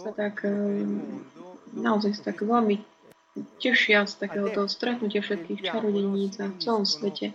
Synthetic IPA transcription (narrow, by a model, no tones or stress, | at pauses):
sat̪ak | naɔzajsḁt̪aɡʋɛlmi | cɛʃɪast̪akɛːɦɔt̪ɔɦɔst̪ɾɛt̪nucɪafʃɛt̪̚kiːxt͡ʃaɾɔɟɛɲiːt͡saft͡sɛlɔmsʋɛcʰɛ